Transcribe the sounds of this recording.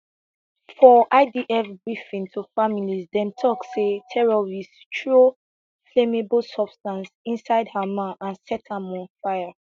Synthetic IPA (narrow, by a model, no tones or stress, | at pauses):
fɔʔaɪdiʔɛfbɹifĩntʰufamilizdɛ̃mtʰɔksetʰɛɹɔɹistʰɹo | flemeblsɔbstãnsĩnsaɪdhəmãnʔãnsɛtʰamɔ̃nfaɪa